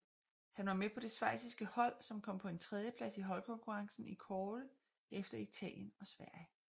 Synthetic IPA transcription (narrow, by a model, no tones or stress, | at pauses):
hænʋɑ̈mepʰɒ̽d̥e̝sʋɑ̈ɪ̰sisɡ̥əhɒ̽l̰sɒ̽mkʰɒ̽m̰pʰɒ̽e̝nt͡sʰʁɛð̞ˠjəpʰlæsiɦɒ̽lkʰɒ̽ŋkʰuʁɑ̈ŋsn̩ikʰɒːlə | efd̥ɐit͡sʰɛ̰ːljənɒ̽sʋæɐ̰jə